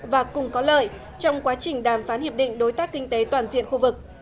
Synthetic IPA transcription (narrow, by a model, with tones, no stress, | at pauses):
vaː˨˩kʊ˨˩ŋ͡mkɔ˨˦lə̰ː˧˨j | t͡ɕɔ˧wŋ͡mkwaː˨˦t͡ɕï˨˩ŋ̟ɗaː˧˩mfaː˨˦nhi˧˩əp̚ɗḭ̈˧˨ŋ̟ɗo˨˦jt̪aː˦˥k̚ːï˧ŋ̟t̪e˨˦t̪waː˨˩nzḭ˧˨ənxu˧vɨ˨˩k̚